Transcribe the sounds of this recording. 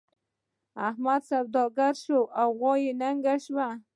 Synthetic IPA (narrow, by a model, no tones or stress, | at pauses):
ahmad̪sab̚d̪ɔɡaɾʃoʔawɣɔjenaŋɡaʃwa